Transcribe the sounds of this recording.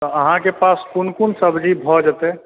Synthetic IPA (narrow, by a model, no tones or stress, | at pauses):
t̪ɔəɦãkepaspunkunsəbd͡ʒʱibʱɔd͡ʒət̪e